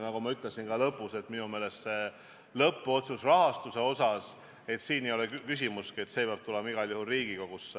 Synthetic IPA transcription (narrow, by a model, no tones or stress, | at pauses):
nɑɡ̥umɑyt̪ˑlesinɡɑlɤpːˑuse̞t̪ːminume̞ːle̞st̪se̞ | lɤpːo̞t̪susrɑɦɑst̪use̞o̞sɑs | e̞t̪siːnejo̞lekkys̬ʲimuskie̞t̪sepjɑb̥̚t̪ulemɑiɡ̥ɑljuhulriːɡikoɡ̥usːe